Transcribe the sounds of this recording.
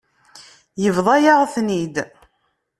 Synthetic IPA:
jəvðˤɑjaʁθnid̪

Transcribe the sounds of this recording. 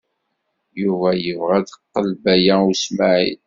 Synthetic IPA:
juvæjəvʁæd̪əqːəlbæjæusmaʕḭn

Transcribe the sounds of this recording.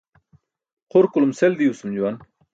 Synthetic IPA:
qʰʊɾkulumseld̪iusumd͡ʑuwan

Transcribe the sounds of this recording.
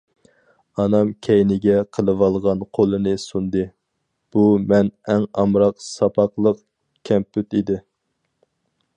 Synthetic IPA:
ɑnɑmkʲʰɛjnɪɡʲɛqʰəlˠɨwɑlˠʁɑnqʰolˠɨnɨsund̪ɨ | b̥umɛnɛŋɑmɾɑqsɑpʰɑqlˠəq | kʲʰɛmpyt̪id̪ɪ

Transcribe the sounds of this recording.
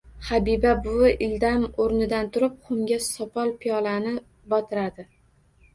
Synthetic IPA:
habibabʊʔɪld̪amoɾnɪd̪ant̪ʰʊɾɪp̚χʊmɡʲasɒpʰɒlˠpʰijɒlanɪ | bɒt̪ʰɪɾad̪ɪ

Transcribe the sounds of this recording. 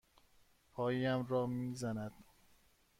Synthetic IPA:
pʰɒːjiæmɾɒːmiːzænæd̪̥

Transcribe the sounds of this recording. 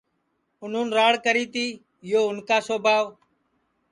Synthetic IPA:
ʊn̤ũːnɾaːɽkəɾiːt̪iː | ɪjoːʊnkaːsoːbʱaːʋ

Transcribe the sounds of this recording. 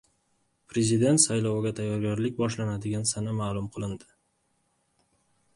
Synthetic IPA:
pɾe̞zɪd̪e̞nt̪sajlɒwɪɡʲat̪ʰajːɒɾɡʲaɾlɪk̚ʲbɒʃlanad̪ɪɡʲansanamaːlˠʊmqʰɨlˠɪnd̪ɪ

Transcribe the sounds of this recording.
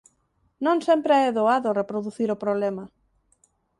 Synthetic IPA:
nõŋsɛmpɾeɛðoaðʊrepɾoðuθiɾopɾoβlɛmɐ

